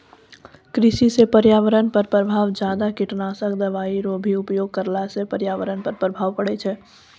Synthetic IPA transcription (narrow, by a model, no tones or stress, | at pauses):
kɾɪʃisepəɾjaːʋəɾənpəɾpɾəbʱaːʋd͡ʒjaːd̪akɪʈnaːsəkd̪ɐʋaːiɾoːbʱiʊpjoːɡ̚kəɾlasepəɾjaːʋəɾənpəɾpɾəbʱaːʋpəɽɛt͡ʃʰɛ